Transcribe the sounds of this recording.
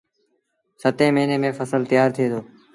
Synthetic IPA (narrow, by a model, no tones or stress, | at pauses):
sət̪ẽːməːneːmẽːfəsəlt̪ɪjaːɾt̪ʰieːt̪ʰoː